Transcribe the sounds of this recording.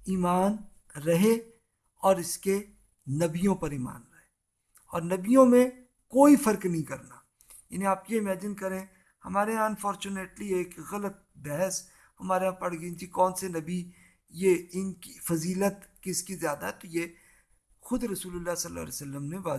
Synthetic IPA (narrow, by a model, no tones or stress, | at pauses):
iːmaːn | ɾɐɦe | ɔːɾɪske | nɐbijõpɐɾiːma̰ːnɾɐɦeː | ɔ̰ːɾnɐbijõmẽ | koːifɐɾknɐɦĩkɐɾna | ja̰ːniaːpjeɪmɛːd͡ʒɪnkɐɾẽː | hɐmaːɾeɐnfɔːɾt͡ʃuneːʈlieːkɣɐlət̪̚bɛɦəs | hɐmaːɾeɦãpɐɽ̤ɡid͡ʒikɔːnsenɐbi | jeɪnki̥fɐziːlət̪kɪskizjaːd̪aɦɛt̪oje | xʊd̪ɾɐsuːlʊlːasɐlːa̰ːlḛsɐlːəmneʋaː